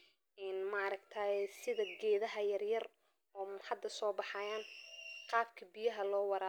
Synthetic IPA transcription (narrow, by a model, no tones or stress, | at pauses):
ɪnmaɾɐɡt̪ʰɐɛsɪðɐɡɛːðɐɦɐjɐrjɐr | ɔːħɑd̪ːɐsɔːbɑħɑːjaːnqɑːbkʰɐbɪjɐɦɐlɔːwɑɾa